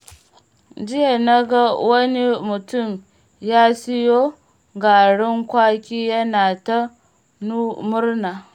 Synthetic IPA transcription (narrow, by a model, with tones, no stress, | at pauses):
d͡ʒɪ˦ja˨na˦ɡa˦wɐ˦ni˦mʊ˨tʊ˦˨m | jaː˦si˦jo˦ | ɡa˨ɽɪ˦ŋkʷaː˦kʲiː˦jɐ˦naː˨ta˦ | nu˦mʊ˦ɾna˨